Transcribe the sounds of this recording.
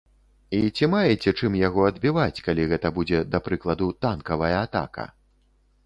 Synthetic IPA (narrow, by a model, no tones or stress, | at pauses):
it͡sʲimajɛt͡sʲɛt͡ʂɨmjaɣɔɐd̪̚bʲivat͡sʲkalʲiɣɛt̪ɐbud͡zʲɛd̪ɐpɾɨklˠɐd̪ut̪ankɐvɐjɐat̪a̰kɐ̰